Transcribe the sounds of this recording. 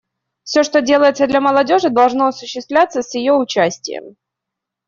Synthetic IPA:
fsʲoʂt̪odʲe̞lˠəjɪt̪səd̪lʲɐməlˠɐdʲo̞ʐɨd̪ɐlˠʐno̞ɐsʊɕːɪst̪vlʲat̪səsʲjɪjoʊt͡ɕæsʲtʲɪ̰jə̰m

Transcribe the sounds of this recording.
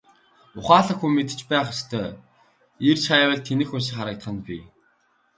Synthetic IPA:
ʊχaːɮə̆xuːmet̪ɘ̥̆t͡ɕpæːχest̪ʰœː | irt͡ɕʰajwə̆ɮt̪ʰːenɘ̆xus̬ĭkχaɾə̆k̚t̪ə̥̆χə̆npʲḭ

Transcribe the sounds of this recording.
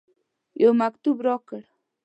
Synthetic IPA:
jomakt̪ubɾɔkəɽ

